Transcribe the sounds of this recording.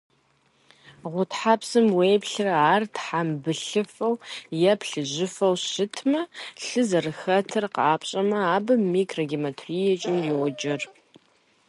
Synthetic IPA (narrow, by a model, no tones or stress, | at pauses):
ʁʷʊtħapsɨmweːpɬɨraːrtħambɨɬɨfɐwjɛpɬɨʑɪfɐwɕɪtʰmɐɬɨzɐrɨxɐtʰɨrqaːpɕʼɐmɐaːbɐmːiːkʰrɐɡʲimɐtʰriːjɛt͡ʃʼɪmjɛwɔd͡ʒɐr